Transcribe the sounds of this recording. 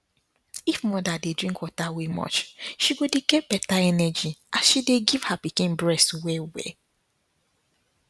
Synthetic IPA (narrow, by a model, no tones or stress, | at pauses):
ifmɔdadedɹĩŋkwɔtawemɔ̰t͡ʃʃiɡodeɡɛb̥ɛtaɛnɛd͡ʒiasʃideɡiv̥hapikĩnbɹɛstwewɛ̰